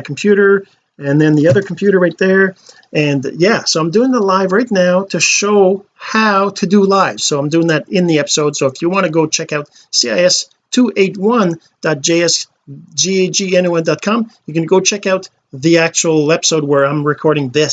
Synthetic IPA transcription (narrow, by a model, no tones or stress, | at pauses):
kʰm̩pʰj̥ʉɾə˞ | ɨ̃nðɨ̃nðiʌðə˞kʰm̩pʰj̥ʉɾə˞ɹaɪt̪̚ðə˞ | ɨ̃njæsoʊãɪ̃mdʉɪ̃ŋðəlaɪvɹaɪtⁿnaʊɾɨʃoʊ | haʊɾɨdɨlaɪv̥soʊãɪ̃mdʉɪ̃ŋðɨɾɪ̃nðiɛpə̥soʊd̥soʊəfjɨwɑ̃ɾ̃ɨɡoʊt͡ʃʰɛkaʊt | siaɪɛs | tʰuʔeɪt̚wʌ̃n | d̥ɑt̚d̥ʒ̥eɪɛs | d͡ʒieɪd͡ʒiɛ̃nuɛ̃ndɑt̚kʰɑ̃mjɨkɨ̃nɡoʊt͡ʃʰɛkaʊt̪̚ | ðiæk̚t͡ʃul̩ˠɛpə̥soʊd̚wə˞ãɪ̃mɹɨkʰɔɹɾɪ̃ŋðɪs